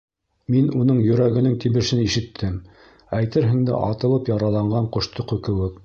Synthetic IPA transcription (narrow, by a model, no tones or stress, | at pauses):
minunɤɴjɵ̆ɾæɡɘ̆nɘŋt̪imɘ̆ʃɘniʃɘ̆t̪ʰːɘm | æjt̪ɘɾɦɘ̆ŋd̪ɘ̰ʔɑ̰t̪ɤ̆lˠɤpjɑɾɑlˠɑɴɢɑɴqŏʃt̪oqɵ̆kɘ̆wɘk